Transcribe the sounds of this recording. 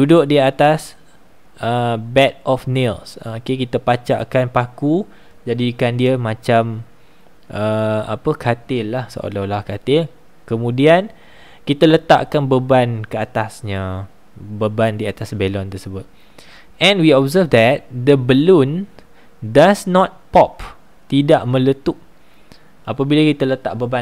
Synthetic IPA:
dudʊʔdiat̪as | ʔəbɛt̪̚ʔɔfnelsokekit̪əpat͡ʃa̰ʔkanpaku | d͡ʒadikandiəmãt͡ʃam | ʔəa̰pəkʰat̪ɪlːahsə̰ʔo̰lɔlahkat̪ɪl | kəmũdian | kit̪alət̪a̰ʔkanbəbankəat̪asɲə | bəbandiat̪asbelɔnt̪əsəbʊt̪̚ | ʔɛ̃nwiɔbzəfd̪ɛt̪̚d̪əbəlun | dasnɔt̪̚pɔp | t̪idaʔmə̃lət̪uʔ̚ | ʔapabilakit̪alət̪aʔbəba

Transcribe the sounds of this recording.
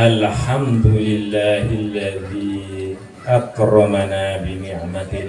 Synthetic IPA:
ʔalħamd̪ʊlɪlːaːhʔalːaðiː | ʔɑqɾˤɑmanaːbɪnɪʕmat̪

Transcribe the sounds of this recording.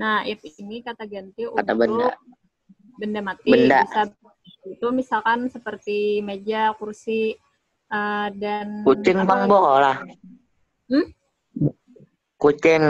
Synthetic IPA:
nahjapiinikat̪aɡant̪iukat̪abəa̰ | bəndamat̪ibəndaisa | ut̪umisalkansəpərt̪imed͡ʒakursi | ʔədankut͡ʃɪŋbaŋbɔɦlah | m̩ | kut͡ʃɪŋ

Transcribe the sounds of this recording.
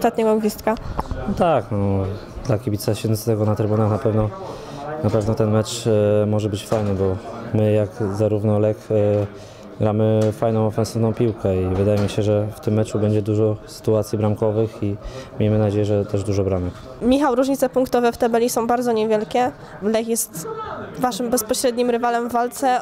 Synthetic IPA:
t̪at̪ɲɛɡɔɡvʲist̪kat̪aknɔ | d̪lakʲibʲit̪saɕɛd̪nit̪st̪ɛɡɔnat̪ɾɘbunaxnapɛvnɔ | napɛvnɔt̪ɛnmɛt͡ʂmɔʐɛbɘt͡ɕfajnɛbɔmɘjaɡzaɾuvnɔlɛk | ɡɾamɘfajnɔ̃w̃ɔfɛnsɘvnɔ̃w̃pʲiwkɛivɘd̪ajɛmʲiɕɛʐɛft̪ɘmːɛt͡ʂubɛɲd͡ʑɛd̪uʐɔsɘ̥t̪uat̪sʲjibɾamkɔvɘximʲejmɘnad͡ʑejɛʐɛt̪ɛʐd̪uʐɔbɾamɛk | mʲixawɾuʐɲit̪sɛpuŋkt̪ɔvɛft̪ɛbɛlʲisɔ̃w̃baɾd̪zɔɲɛvʲjɛlkʲɛ | lɛkjɛst̪vaʂɘmbɛspɔɕɾɛd̪ɲimɾɘvalɛmvːalt̪sɛ

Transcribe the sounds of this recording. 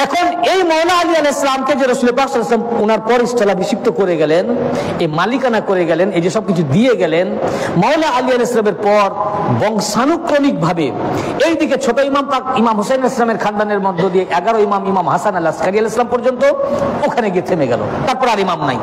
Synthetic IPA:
ɛkʰonejmɔwlaalialɛslamked͡ʑeɾosulepaksɔlːslamunaɾpɔɾisʈʰalabʱiʃik̚t̪okoɾeɡɛlen | emalikanakoɾeɡɛlened͡ʑeʃɔb̚kit͡ɕʰud̪ieɡɛlenmɔwlaalialslameɾpɔɾbɔŋʃanukːɾonik̚bʱabe | ejd̪iket͡ɕʰoʈoimampakimamɦosenaleslameɾkʰand̪aneɾmɔd̪ʱːod̪ijeʔɛɡaɽoimamimamɦasanalːaskaɾialeslampɔɾd͡ʑont̪ookʰaneɡiet̪ʰemeɡɛ̰lo̰t̪aɾpɔɾaɾimamna̰j

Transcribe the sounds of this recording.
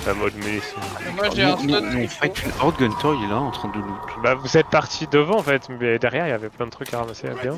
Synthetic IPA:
lamɔd̪mynisimwaʒẽmmɔ̃fat̪ynɔʁd̪ɡɔnt̪ʰɔjlaɑ̃t̪χɑ̃d̪ølut̪bavuzɛt̪̚paʁt̪ʰid̪əvɑ̃ːfɛt̪mɛd̪ɛʁjɛʁiljavɛplɛ̃d̪ət̪ʰχykaʁamasea̰bjɛ̃

